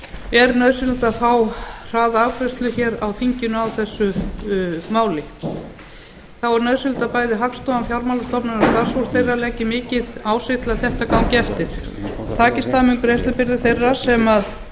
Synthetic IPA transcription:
ɛɾnœðsɪlt̪aθawr̥aːðaakʰɾɛst̪lʏçɛɾawθiɲcɪnʏawθɛsːʏ | maːwlɪ | θawaɾnœðsɪlt̪apaːjðɪɦakst̪ɔmamfjawɾmawlaɾst̪ɔpnɪnast̪aɾsvɔɾ̥t̪θejralɛcɪmɪːcɪðaːwsɪht̪laðθɛht̪akaːwmcɛft̪ɪɾ̥t̪ʰaːcɪst̪θamʏŋkʏɾejst̪ʏpɪɾðɪθejrːasɛmað

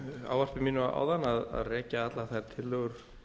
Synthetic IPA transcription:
a̰ːwvar̥pɪmiːnʏaa̰ːwðanːaða̰ðrɛːcaat̪laθaɾ̥t̪ʰɪlːœɣʏɾ̥

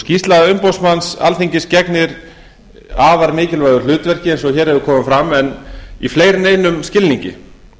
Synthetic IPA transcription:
scist̪laðaʏmpowsmansa̰lθiɲcɪscɛknɪɾ | aːvaɾmɪːcɪlvajðʏl̥ʏːt̪vɛr̥cɪejnsɔçɛːɾhɛvðʏkʰɔːmʏmfɾamɛnifleːjɾɪneːjnʏmscɪlniɲcɪ̰

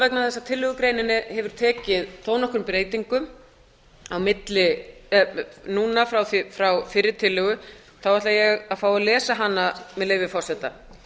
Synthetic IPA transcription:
vɛk̚naθɛsːat̪ʰɪlːʏɣʏkɾeːjnɪnːɪhɛvʏɾ̥t̪ʰɛːcɪðθoːwnɔhkʏɾmpɾeːjt̪iŋkʏm | awmɪt̪lɪ | nuːnafɾawθfɾawfɪɾɪɾ̥t̪ʰɪlːʏɣʏ | θawvɛht̪lajɛɣaðfaːwalɛːsaɦanːamɛðleːjvɪfɔr̥sɛt̪ːa

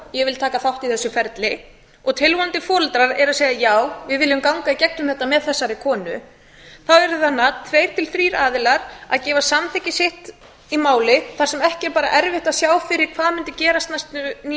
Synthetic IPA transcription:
jɛɣvɪlt̪ʰaːkaθawht̪iθɛsːʏfɛɾt̪lɪ | ɔɣt̪ʰɪlvɔnt̪ɪfɔːɾʏlt̪ɾaɾɛɾaðseːjðajaːwvɪðvɪljʏmkawŋkaicɛk̚nʏmθɛht̪amɛðθɛsːaɾɪkʰɔːnʏ̰ | θawɛɾʏθanːat̪ʰveːjɾ̥t̪ʰɪlθɾiːɾaːðɪlaɾa̰ðcɛːvasamθɛcɪsɪht̪ | imaːwlɪθaɾ̥sɛmɛhcɪɛɾpaːɾa̰ʔɛɾvɪht̪aðsjaːwfɪɾɪɾ̥kʰvaːðmʏnt̪ɪcɛːɾast̪najst̪n

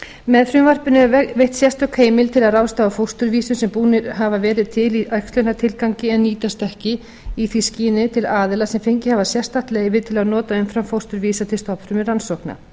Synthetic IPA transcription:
mɛðfɾʏmvar̥pɪnʏvejht̪sjɛst̪ʏkʰeːjmɪlt̪ʰɪlaðrawst̪aːafowst̪ʏɾviːsʏsɛmpuːnɪɾ̥ɦavavɛːɾɪðt̪ʰɪliʔœjkst̪lœnat̪ʰɪlkawŋcɪɛnːiːt̪ast̪ɛhcɪ | iθisciːnɪt̪ʰɪlaːðɪlasɛmfejɲcɪhavasjɛst̪aht̪leːjvɪt̪ʰɪlaðnɔːt̪aʏmfɾamfowst̪ʏɾviːsat̪ʰɪlst̪ɔpɾʏmɪransohkna̰

